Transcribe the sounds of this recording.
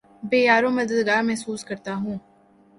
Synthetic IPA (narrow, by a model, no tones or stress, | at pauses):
beːjaːɾõmɐd̪əd̪ɡaːɾmɛɦsuːskɐɾt̪aɦũː